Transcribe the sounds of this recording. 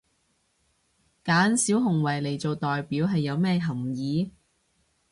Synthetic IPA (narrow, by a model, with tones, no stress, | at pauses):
kaː˨˥nsi˨˥wɦʊ˨˩ŋwɐ˨˩jle˨˩jt͡so˨wt̪ɔː˨jpiː˨˥wɦɐ˨jːɐ˨˧wmɛː˥˧ɦɐ˨˩mjiː˨˥